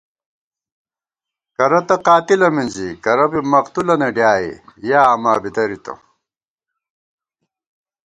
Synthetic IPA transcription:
kɐɾɐt̪ɐqaːt̪ilɐmind͡ʑikɐɾɐbimɐqt̪ulɐneɖjaːḭjaːɐmaːbid̪ɐɾit̪ɐ̰

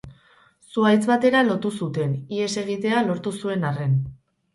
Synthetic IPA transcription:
suajt͡sβat̪e̞ɾalo̞t̪usut̪e̞nie̞se̞ɣ̞it̪e̞alo̞ɾt̪usue̞nare̞n

